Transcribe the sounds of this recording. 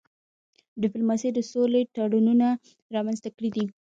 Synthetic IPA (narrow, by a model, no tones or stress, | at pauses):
ɖɪplomɑsijd̪əsoleʈɑɽununa | ɾɑmanzt̪akəɽid̪i